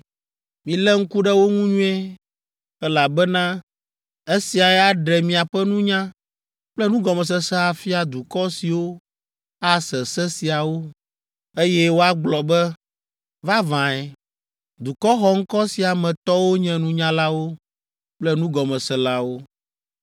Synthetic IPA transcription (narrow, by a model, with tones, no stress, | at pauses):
mĩ˨lɛ˦ŋ̩˦ku˦ɖɛ˦wo˦ŋũ˦ɲũ˦ɛ˦ | ɛ˦la˨bɛ˦nã˦ | e˦si˨a˨ɛ˦a˦ɖɛ˨mĩ˨a˨ɸɛ˦nũ˦ɲã˦ | k͡plɛ˦nũ˦ɡɔ˨mɛ̃˨s̬ɛ˦sɛ˦a˨fi˦a˨d̪u˨kɔ˦si˨wo˦ | a˦sɛ˨sɛ˦si˨a˨wo˦ | e˦jɛ˦wo˦a˦ɡ͡blɔ˨bɛ˦ | va˦vã˨ɛ˨ | d̪u˨kɔ˦xɔ˦ŋ̩˦kɔ˦si˨a˨mɛ̃˨t̪ɔ˦wo˦ɲɛ̃˦nũ˦ɲã˦la˦wo˦ | k͡plɛ˦nũ˦ɡɔ˨mɛ̃˨sɛ˨la˦wo˦